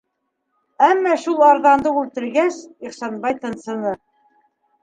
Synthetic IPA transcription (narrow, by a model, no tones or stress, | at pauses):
æmːɑʃulˠɑɾðɑnd̪ɤʉlt̪ɘ̆ɾɡæsiχsɑnbɑjt̪ɤ̆nsɤ̆nɤ